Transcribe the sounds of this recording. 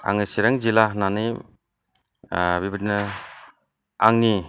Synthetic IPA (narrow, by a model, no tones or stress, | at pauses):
a̰ŋɯsiɾaŋzilananɯ | bibidinɯ | aŋni